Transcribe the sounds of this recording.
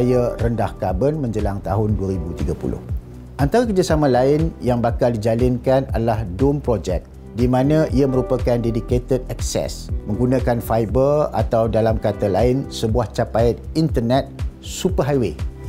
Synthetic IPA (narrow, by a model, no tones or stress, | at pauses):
jarəndahkabənmə̃ɲd͡ʒəlaŋt̪aɦʊnduaɾibut̪iɡapṵlʔʊ̰h | ʔant̪aɾakərd͡ʒasamãlaɪnjaŋbakaldid͡ʒalɪnkana̰dalahdumpɾod͡ʒɛk̚ | dimãnãʔiamə̃ɾupakandediket̪əd̚ɛksɛ̰smə̃ŋɡunãkanfajbəra̰t̪awdalamkat̪alaɪnsəbuaht͡ʃapajt̪̚int̪ərnɛt̪̚supəɦajwe